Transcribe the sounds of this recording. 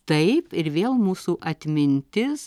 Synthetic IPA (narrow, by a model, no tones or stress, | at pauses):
t̪ɐɪpɪɾʋʲeːlˠmuːsuːʔɐt̪ʲmʲɪnʲt̪ʲɪs